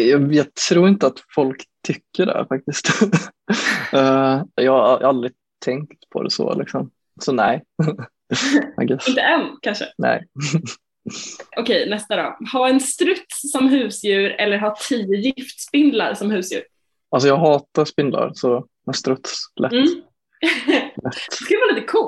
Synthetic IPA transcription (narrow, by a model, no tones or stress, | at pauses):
jɑjɑːt̪ʰɾuːɾɪnt̪əat̪fɔlkt̪ʰːʏkːəɖɛ̰fak̚t̪ɪst̪ | ɛjɑːhaajːald̪ɾɪ | t̪ʰɛŋkkt̪pʰɔ̰d̪ɛ̰sɔ̰lɪksɔm | sɔnɛj | ɛ̰ɡɛɪnt̪əɛnkʰanʂə̰nɛ̰ɪ | ʔɔkʰɛjnɛst̪ad̪ɑ̰ːhaɛnst̪ɾɵt̪ssɔmɦʉ̟ːsjʉ̟ːɾɛlːəɾɦɑtʰiːʊjɪft̪spɪnd̪la̰ɾsɔmhʉ̟ːsjʉ̰ːɾ | als̬ɔjɑːɡɦɑːt̪aspɪnd̪la̰ɾsɔ | mɛnst̪ɾɵt̪slɛmː | lɛt̪ːskɵlɛvaːliːt̪əkʰuː